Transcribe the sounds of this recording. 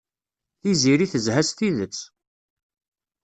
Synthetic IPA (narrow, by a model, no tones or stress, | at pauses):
θiziɾiθəzhæst̪iðət͡sː